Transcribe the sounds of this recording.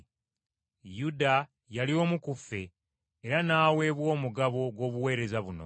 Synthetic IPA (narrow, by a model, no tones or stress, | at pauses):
juda | jalio̞ːmukufːe̞ː | ɾanaːwe̞ːβwo̞ːmuɡaβo̞ɡwo̞ːβuwe̞ːɾe̞zaβuno̞̰